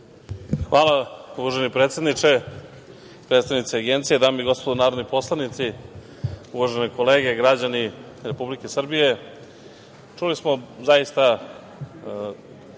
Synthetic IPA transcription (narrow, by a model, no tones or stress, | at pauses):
xʋaːlˠauʋaʒenipɾet̪sʲed̪nit͡ʂe | pɾet̪st̪aʋnit̪siaɡent̪sijed̪aːmoiɡo̞spod̪unaːɾod̪nipo̞slˠanit̪si | uʋaʒeneko̞leːɡe̞ɡɾad͡ʑani | ɾe̞publike̞sr̩bije̞ | t͡ʃulismo̞zaist̪a